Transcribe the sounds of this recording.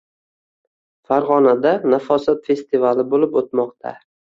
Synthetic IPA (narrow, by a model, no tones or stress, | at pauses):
faɾʁɒnad̪anafɒsat̪fe̞st̪ɪvalɪbolɪpot̪mɒqt̪ʰa̰